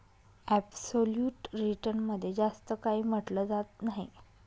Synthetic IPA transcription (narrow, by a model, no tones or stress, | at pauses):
æbsoljuːʈɾiʈənməd̪ʱːjed͡zast̪əkaɦiːm̤əʈləd͡zat̪naɦḭ